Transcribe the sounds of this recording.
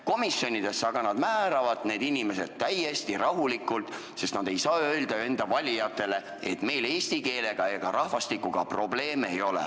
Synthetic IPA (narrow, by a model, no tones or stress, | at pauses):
ko̞misjo̞nʲid̪̥e̞sːɑɡ̥ɑnɑd̪̥mæːɾɑvɑd̪̥ne̞ːd̪inime̞se̞d̪̥̚t̪æjːe̞st̪iɾɑɦulikːˑult̪ˑ | se̞st̪nɑd̪̥e̞jsɑːøld̪̥ɑe̞nd̪̥ɑvɑlʲijɑt̪ːˑe̞le̞ | et̪me̞jle̞ːst̪ike̞ːle̞ɡ̥ɑeɡ̥ɑɾɑhvɑst̪ikːˑuɡ̥ɑ̰pro̞ble̞ːmejo̞lḛ